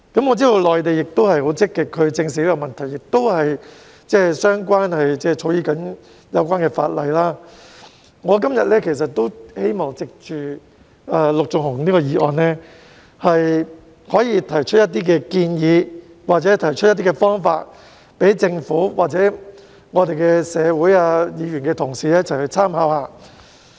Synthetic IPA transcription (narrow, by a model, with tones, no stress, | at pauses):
kɐ˨˥mŋɔː˨˧t͡siː˥d̪o˧wlɔː˨jt̪e˨jɪ˨k̚t̪o˥whɐ˨jho˨˥wt͡sɪ˥kːɪ˨kʰːɵ˨˧t͡sɪ˧ŋs̬iː˨˥kɛ˧mɐ˨nt̪ʰɐ˨˩jɪ˨k̚t̪o˥whɐ˨j | t͡sɛː˥˩sœː˥ŋkʷaː˥nhɐ˨jt͡sɛː˥˩t͡ʃʰo˨˥wjiː˧kɐ˨˥n | jɐ˨˧wkʷaː˥nkɛː˧fa̰ː˧t̚lɐ˨jlaː˥ | ŋɔː˨˧k̬ɐ˥mjɐ̰˨t̚lɛː˥kʰe˨˩s̬ɐ˨t̚t̪ːo˥whe˥jmɔː˨ŋt͡sɪ˨k̚t͡ʃyː˨ | ɐː˧lʊ˨k̚t͡sʊ˨ŋhʊ˨˩ŋniː˥kɔ˧jiː˨ʔɔ̰ː˨˧nɛ˥ | hɐ˨j | hɔː˨˥jiː˧t̪ʰɐ˨˩jt͡ʃʰt̚jɐ˥t̪̬iː˥k̬ɛː˧kiː˧njiː˨˧ | waː˨˩t͡sɛ˨˦˥t̪ʰɐ˨˩jt͡ʃʰɵ˥jɐ˥t̪̬iː˥kɛː˧fɔː˥ŋfa̰ː˧t̚ | pe˨˥jt͡sɪ˧ŋfuː˨˥wa̰ː˨k̚t͡sɛː˨˥ | ŋɔː˨˧t̪e˨jkɛ˧sɛː˨˧wuː˨˥jaː˧jiː˨˧ɥy˨˩nkɛː˧t̪ʰʊ˨˩ŋsiː˨lɛː˥t͡sɐ˨whɐ˨˩jt͡sʰaː˥mhaː˨˥whaː˧